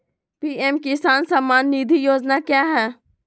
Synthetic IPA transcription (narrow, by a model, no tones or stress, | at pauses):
piːɛmkɪsaːnsaːmaːnːiːd̪ʱijoːd͡ʒnakjaːɦɛː